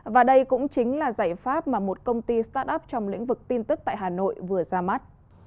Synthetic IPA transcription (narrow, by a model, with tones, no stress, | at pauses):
vaː˨˩ɗə˧jkʊ̰˧˥ŋ͡mt͡ɕï˨˦ŋ̟laː˨˩zaː˧˩jfaː˦˥p̚maː˨˩mo˨˩t̚kə˧wŋ͡mt̪i˧st̪aː˦˥t̚ʔə˦˥p̚t͡ɕɔ˧wŋ͡mlḭ̈˧˥ŋ̟vɨ˨˩k̚t̪i˧nt̪ɨ˦˥k̚t̪a̰ː˧˨jɦaː˨˩no̰˧˨jvɨ˨˩əzaː˧ma˦˥t̚